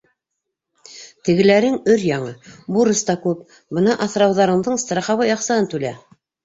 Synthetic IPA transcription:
t̪ɘ̆ɡɘ̆læɾɘŋɵɾjɑɴɤbuɾɤ̆st̪ɑkʉp̚ | bɤnɑʔɑθɾɑwðɑɾɤ̆ɴðɤɴst̪rɑχɑβɤjɑqsɑɦɤnt̪ʉlæ

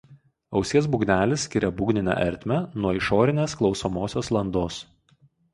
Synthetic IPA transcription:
ɒʊsʲiɛs̬bʊɡnʲæːlʲɪsːʲkʲɪɾʲɛbʊɡnʲɪnʲæ̰ːʔɛ̰ɾʲt̪ʲmʲɛnuɔɪʃoːɾʲɪnʲeːsklˠɒʊsomoːsʲoːslˠɐnd̪oːs

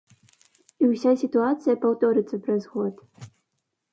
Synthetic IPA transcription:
iwsʲasʲit̪uat̪sɨjɐpawt̪ɔɾɨt̪sːɐpɾɐzɣɔt̪

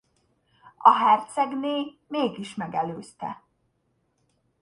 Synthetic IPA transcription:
ɒ̰ɦɛrt̪sɛɡneːmeːɡiʃmɛɡɛløːst̪ɛ̰

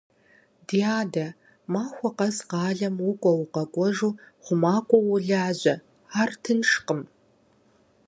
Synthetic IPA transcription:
diaːdɐ | maːxʷɔqɐzqɑːɮɐmwʊkʷʼɔwuqɐɡʷʼɔʐuːχʷʊmaːkʷʼɔwʊɮaːʑʷɐ | aːrtʰɨnʂqəm

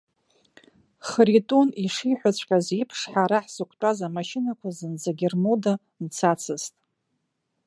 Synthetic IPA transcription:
χritʼuniʂiħʷᶣat͡st͡ɕʷʰʼkʲʼazipʰʂħaɾaħsɨkʷʰʼtʼazamaʃɪnakʷʰazɨnd͡zaɡʲɪrmoda | nt͡sʰat͡sʰɨztʼ

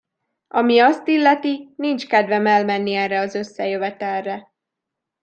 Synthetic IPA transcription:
ɒmiɒst̪ilːɛt̪inint͡ʃkɛd̪vɛmɛlmɛnːiɛrɛɒzø̞sːɛjø̞vɛt̪ɛlːɛ

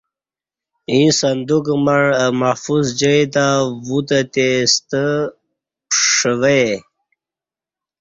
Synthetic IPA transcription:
ĩsənd̪ukmaɻəmafuzd͡ʑəjt̪awut̪ət̪est̪ə | ʂəwe

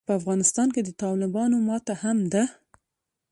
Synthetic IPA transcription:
pəafɣɑnɪst̪ɑnked̪ət̪ɑlɪbɑnomɑt̪ahamd̪a

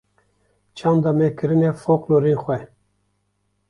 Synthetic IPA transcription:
t͡ʃʰɑnd̪ɑmɛkʰɨɾɨnɛfokloɾixʷɛ

